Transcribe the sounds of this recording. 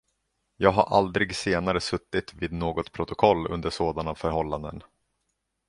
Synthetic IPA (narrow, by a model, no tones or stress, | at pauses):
jɑːɡɦaɾʔa̰ld̪ɾɪɡseːnaɾəsɵt̪ːɪt̪viːd̪noːɡɔt̪pʰɾʊt̪ʊkʰɔlːɵ̰nd̪əʂoːd̪anafœɾɦɔlːand̪ə̰n